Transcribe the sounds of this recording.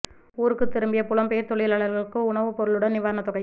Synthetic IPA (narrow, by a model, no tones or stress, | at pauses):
uːɾɯkːɯt̪ːɪɾɯmbɪjɐpʊlɐmpeːɐɾt̪ɔɭɪjlaːɭɐɾɣɐɭɯkːɯʊɳɐʋɯpɔɾɯɭɯɽɐnɪʋaːɾɐnɐt̪ːɔɣɐɪ